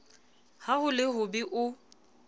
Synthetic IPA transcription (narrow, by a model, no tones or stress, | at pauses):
hahʊlɪɦʊbɪʔʊ